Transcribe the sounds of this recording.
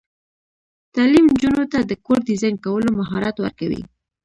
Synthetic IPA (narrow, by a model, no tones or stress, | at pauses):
t̪ɑlimnd͡ʒunot̪ad̪əkoɾd̪izɑjnkawəlomaɦɑɾat̪wa̰ɾkawḭ